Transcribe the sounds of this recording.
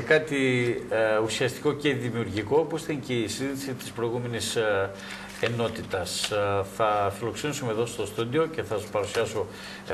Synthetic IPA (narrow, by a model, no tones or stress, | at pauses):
kɐt̪i | usiɐst̪i̥ko̞ce̞ðimiuɾʝiko̞oposiθt̪ɐnceisiðisit̪i̥spɾo̞jɣume̞nis | eno̞t̪it̪ɐsθɐfilo̞kse̞nisume̞ðo̞st̪ost̪ud̪io̞ce̞θɐpɐɾusiɐso̞